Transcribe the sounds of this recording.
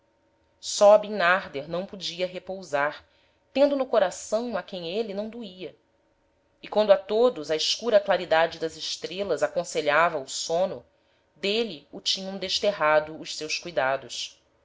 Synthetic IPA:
sɔbĩnaɾd̪eɾnɐ̃w̃pud͡ʒiɐɦepowzaɾ | t̪ẽnd̪ʊnʊkoɾasɐ̃w̃akẽj̃elinɐ̃w̃d̪uiɐ | ikwɐ̃nd̪ʊat̪od̪ʊzɐiʃkuɾɐklaɾid̪ad͡ʒɪd̪ɐzɪʃt̪ɾelɐzakõseʎavɐʊsõnʊ | d̪eliʊt͡ʃĩɲɐ̃w̃d̪eʃt̪eɦad̪ʊːʃsewskujd̪ad̪ʊs

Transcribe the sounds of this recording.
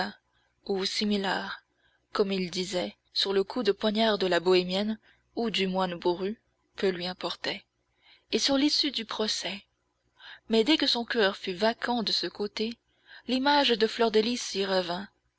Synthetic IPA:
usimilɛʁ | kɔmild̪izɛ | syʁləkʰud̪əpwaɲaʁd̪əlabɔemjɛn | ud̪ymwanbuʁy | kəlɥiɛ̃pɔʁt̪ɛ | esyʁlisyd̪ypχɔsɛ | mɛd̪ɛkəsɔ̃kʲœʁfyvakʰɑ̃d̪əsəkot̪e | limaʒd̪əflɔʁd̪elisiʁəvɛ̃

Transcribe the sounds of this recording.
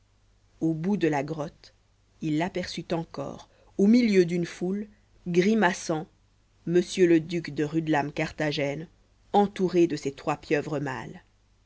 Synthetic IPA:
obud̪əlaɡʁɔt̪ | ilːapɛʁsyt̪ɑ̃kɔ̰ːʁ | omiljød̪ynful | ɡʁimasɑ̃ | məsjøləd̪ykd̪əʁyd̪lamkaʁt̪aʒɛn | ɑ̃t̪uʁed̪əset̪χwapjœvʁəma̰l

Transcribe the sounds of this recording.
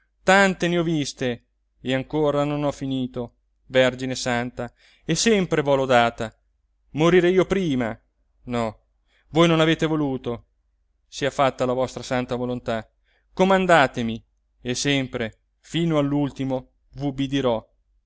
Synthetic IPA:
t̪ant̪eneɔvist̪eː | aŋkoːɾanonɔfiniːt̪o | vɛrd͡ʒinesant̪a | esɛmpɾevɔlod̪aːt̪a | moɾiɾeiːopɾiːma | nɔ | vojnonaveːt̪evoluːt̪o | siafat̪ːalavɔst̪ɾasant̪avolont̪a | komand̪aːt̪emi | esɛmpɾe | fiːnoalːult̪imo | vuubid̪iɾɔ

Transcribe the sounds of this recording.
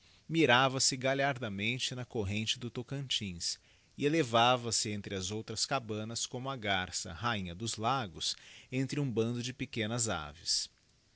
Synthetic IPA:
miɾavɐsɪɡaʎaɾd̪ɐmẽnt͡ʃɪnɐkoɦẽnt͡ʃɪd̪ʊt̪okɐ̃nt͡ʃĩs | ɪelevavɐsɪẽnt̪ɾɪɐzowt̪ɾɐskabɐ̃nɐskõmʊɐɡaɾsɐ̰haĩɲɐd̪ʊzlaɡʊsẽnt̪ɾɪũbɐ̃nd̪ʊd͡ʒɪpekẽnɐza̰vɪs

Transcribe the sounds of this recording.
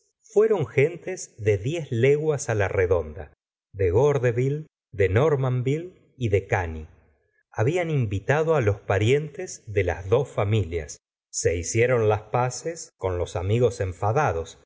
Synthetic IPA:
fwe̞ɾo̞ŋxe̞nt̪ezðe̞ðjezleɣwasalareðo̞nd̪a̰ | ðeɣoɾðeβil | d̪e̞noɾmambil | iðe̞kani | aβianimbit̪aðoalo̞spaɾje̞nt̪ezðela̰zðo̞sfamilja̰sː | e̞isjeɾo̞nlaspasesko̞nlo̞samiɣo̞se̞ɱfaðaðo̞s

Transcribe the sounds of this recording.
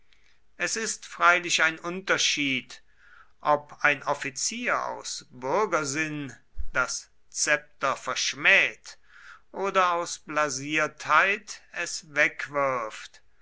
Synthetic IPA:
ʔɛsɪstfʁ̥aɪlɪʃaɪnʔʊntɐʃiːt | ʔɔpaɪnɔfit͡siːɐa̰ʊsb̥ʏɐɡɐzɪnd̥as | t͡sɛp̚tɐfɛɐʃmɛːt | ʔoːdɐaʊsb̥laziːɐthaɪtɛsvɛkv̥ɪɐft

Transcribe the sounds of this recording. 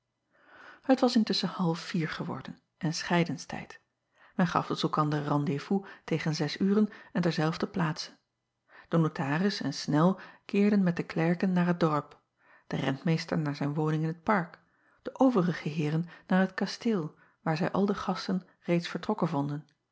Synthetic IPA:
hətʋɑsɪntɵsənhɑlˠfiːɹχəʋɔ̰ɹdən | ʔɛnsχɛjdənstʰɛ̰jt | mɛnχɑ̰fdɔsɛlˠkɑndərɑndevutejχənzɛsyːrənɛndɛɹzɛlˠvdəplaːtsə̥ | d̥ənotʰaːrɪsɛnsnɛlˠkɪːɹdənmɛt̚dəklɛɹkənːaːɹɦəd̚dɔɹp | d̥ərɛ̰ntmejstəɹnaːɹzɛjnʋownɪŋɪnɦət̚pɑɹk | d̥əʔowvərəχəɦɪːrənːaːɹɦətkɑstɪːlˠ | ʋaːɹzɛjʔɑlˠdəχɑstən | rejtsfəɹtrɔkənvɔndən

